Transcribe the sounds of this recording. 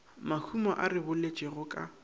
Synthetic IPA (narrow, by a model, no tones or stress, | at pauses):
mahʰumɔʔarɪbʊlet͡ʃʼɛɣʊkʼa